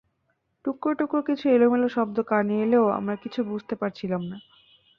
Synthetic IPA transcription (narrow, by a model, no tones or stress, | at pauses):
ʈukːoʈukːokit͡ɕʰuelomeloʃɔb̚d̪okaneeleoa̰mɾakit͡ɕʰubud͡ʑʱt̪epaɾt͡ɕʰilamna